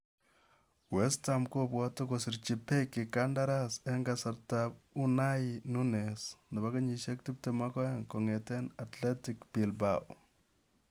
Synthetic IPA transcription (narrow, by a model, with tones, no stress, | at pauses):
wɛstamko˦pwɔtɔ˦kɔsɪ˨ɾt͡ʃi˨pe˦kːɪ˨ka˦nda˦ɾasɛ˦ŋɡasa˨ɾtabu˦na˦inu˦nesna˨ba˦ka˦ɲi˨ʃe˦k̚ti˦p̚te˨ma˦kɔ˦jaŋkɔ˨ŋɛ˨tɛ˦natlɛ˦tikbi˨lbaw